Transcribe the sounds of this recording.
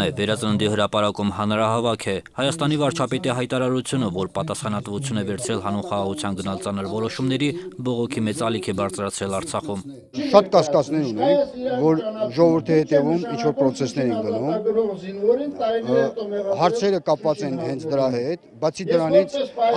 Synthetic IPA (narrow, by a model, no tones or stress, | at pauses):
ɛvɛɾɑt͡sənənd̪ihəɾɑpɑɾɑkumhɑnɾɑɦɑvɑkʰɛhɑjɑst̪ɑnivɑɾt͡ʃʰɑpɛt̪iɦɑjt̪ɑɾɑɾut͡sʰjunəvɔɾpɑt̪ɑsχɑnɑt̪vut͡sʰjunɛvɛɾt͡sʰɾɛlɦɑnunχɑʁɑʁut͡sʰjɑnɡənɑlt͡sɑnəɾvɔɾɔʃumnɛɾibɔʁɔkʰimɛt͡sɑlikʰɛbɑɾt͡sʰɾɑt͡sʰɾɛlɑɾt͡sʰɑχum | ʃɑt̪kɑskɑt͡snɛɾunɛnvɔɾʒɔʁɔvəɾt̪ʰihɛt̪ɛvumint͡ʃʰvɔɾpɾɔt͡sʰɛsnɛɾɛnɡənum | hɑɾt͡sʰɛɾəkɑpvɑt͡sɛnhɛnt͡sʰd̪əɾɑɦɛt̪bɑt͡sʰid̪əɾɑnit͡sʰ